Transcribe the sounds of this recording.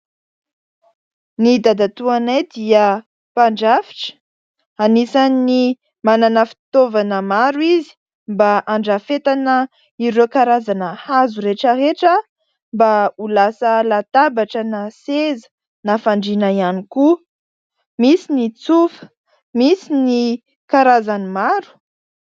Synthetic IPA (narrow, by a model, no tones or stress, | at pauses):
nid̪ad̪at̪uanajd̪iə | paɳɖ͡ʐafi̥ʈ͡ʂə̥ | anisani | mananafi̥t̪ovanəmaɾwizi̥ | mbaʔaɳɖ͡ʐafet̪anə | iɾokaɾazanəhazuɾeʈ͡ʂəreʈ͡ʂə | mbaulasəlat̪abaʈ͡ʂənasezə̥ | nafaɳɖ͡ʐinaianiku | misinit͡sufə̥ | misini | kaɾazanimaɾu̥